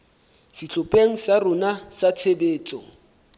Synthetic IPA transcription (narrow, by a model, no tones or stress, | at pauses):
sɪt͡ɬʰʼʊpʼeŋ̩sarʊnasat͡sʰebeːt͡sʼɔ